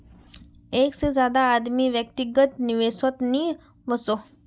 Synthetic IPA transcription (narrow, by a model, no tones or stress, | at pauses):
eksed͡zjad̪aːd̪miːʋjəkt̪iɡət̪niʋesət̪niː | ʋəso